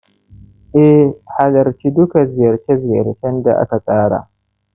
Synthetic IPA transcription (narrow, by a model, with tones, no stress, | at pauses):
ʔɛ˦hha˨lɐ˨ɾt͡ʃi˦dʊ˦ka˨zɪ˨jɐ˨ɾt͡ʃɛ˦zɪ˨jɐ̰˨ɾt͡ʃɛ˦nda˨ʔa̰˦ka˨sʼaː˦ɽa̰˨